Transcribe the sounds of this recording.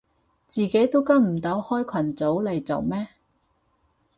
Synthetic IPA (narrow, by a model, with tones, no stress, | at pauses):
t͡siː˨˩ke˨˥jt̪o˥wkɐ˥m̩˨˩t̪ɐ˨˥whɔː˥jkʷʰɐ˨˩nt͡so˨˥wle˨jt͡so̰˨wmɛː˥